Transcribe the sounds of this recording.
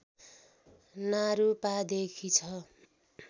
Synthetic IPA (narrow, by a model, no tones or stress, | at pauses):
naɾupad̪ekʰit͡sʰʌ